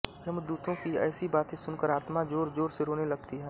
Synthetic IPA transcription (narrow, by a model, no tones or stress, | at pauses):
d͡ʒɐmd̪uːt̪ʰõkiɛ̰ːsibaːt̪ẽsʊnkəɾaːt̪mad͡ʒoːɾd͡ʒoːɾseɾoːnelɐɡt̪iɦɛː